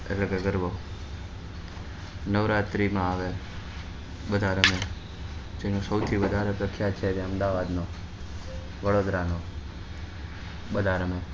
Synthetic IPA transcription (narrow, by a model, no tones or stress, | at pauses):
ḛləɡəɡəɾʋo | nəʋɾat̪ɾimãaʋe | ɓəd̪ʱaɾəme | d͡ʒenosəʊt̪ʰiʋəd̪ʱaɾokɾəkʰjat͡ʃʰed͡ʒ̪eəmd̪aʋad̪no | ʋəɽod̪ɾano | ɓəd̪ʱaɾəme